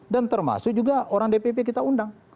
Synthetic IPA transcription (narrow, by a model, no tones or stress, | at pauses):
dant̪ərma̰sʊk̚d͡ʒuɡaoɾaŋdepepekit̪aundaŋ